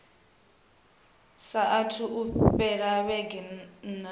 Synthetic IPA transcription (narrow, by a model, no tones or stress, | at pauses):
saʔatʰuʔuɸɛɺaβɛɡɛn